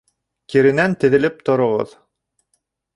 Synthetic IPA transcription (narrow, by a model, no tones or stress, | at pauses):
kiɾɘ̆nænt̪ɘ̆ðɘ̆lɘp̚t̪ŏɾŏʁɤ̰ð